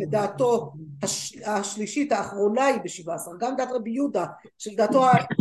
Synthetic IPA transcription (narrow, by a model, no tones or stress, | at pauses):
ed̪aːtohaʃaʃliʃithaːχʁo̞naibeʃivasaʁɡamd̪at̪ʁebijuda | ʃeld̪aːt̪o̞a